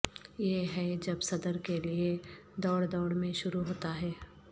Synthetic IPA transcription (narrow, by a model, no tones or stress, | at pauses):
jeɦɛd͡ʒɐbsɐd̪əɾkelie | d̪ɔːɽd̪ɔːɽmẽʃʊɾuɦoːt̪aɦɛː